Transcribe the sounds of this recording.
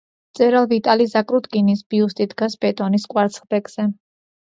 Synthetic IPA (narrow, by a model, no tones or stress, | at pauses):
t̪sʼɛɾalˠvit̪ʼalizakʼɾut̪ɡʼinisbiust̪ʼid̪ɡasb̥ɛt̪ʼɔnisqʼwaɾt̪sʰχb̪ɛkz̥ɛ